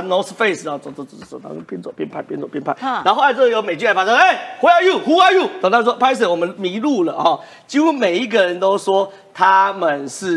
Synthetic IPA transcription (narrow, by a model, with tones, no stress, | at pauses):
nɔ˧˦sfe˥˧ɪsɔ˨˩t͡sɔ˨˩t͡sɔ˨˩t͡sɔ˨˩t͡sɔ˨˩ɔ˨˩na̰˧˦˥pʰjɛ˥nt͡swɔ˨˩pʰjɛ˥˧npʰa˥˧ɪpʰjɛ˥˧nt͡swɔ˨˩pjɛ˥˧npʰa˥˩n˧˥˧xla˧˦˧t͡sə˥˧˩jo˧˥me˨˩ɪt͡ɕy˥˧ka˥˩fa˥˩ɔ˥˦e˥˩ɪwe˥˦a˧ju˥˩hu˦a˧ju˥˩t̪ə˨t̪a˥˩wɔ˥pʰa˥ɪs̬ə˥˩wɔ˨˩mə˦nmi˧˥˦lu˥˨˩lə˩ɔ˨˩ | t͡ɕi˧˥xu˥me˨˩ɪi˦ɡə˨ɻə˨˦nt̪o˦ʊʂwɔ˦˥ | t̪ʰa˦mə˨nʂɻ̩˥˩